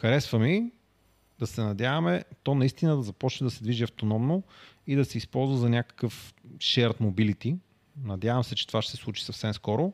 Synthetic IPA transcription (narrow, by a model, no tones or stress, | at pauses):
xɐɾɛsvəmi | d̪ɐsɛnɐd̪ʲjavɐmɛt̪ɔnɐist̪inəd̪ɐzɐpɔt͡ʃnɛd̪ɐsɛd̪viʒiɐft̪onɔmnoid̪ɐsɛispɔlˠzvəzɐnʲakə̥kəfʃɛɾt̪mobilit̪i | nɐd̪javəmsɛt͡ʃɛt̪ovaʃt̪ɛsɛslˠut͡ʃi̥sɐfsɛmskɔɾo